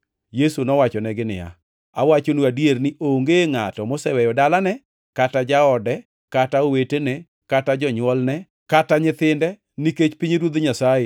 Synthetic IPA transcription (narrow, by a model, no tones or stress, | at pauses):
jesunɔwat͡ʃɔnɛɡɪnɪ̰ja̰ | awat͡ʃonuadjernɪʔoŋɡeŋatɔmosɛwɛjɔdalanɛ | katad͡ʒaɔdɛ | kataowetene | katad͡ʒɔɲwɔlnɛ | kataɲɪt̪ɪndɛ | niket͡ʃpiɲeɾwod̪ɲasaje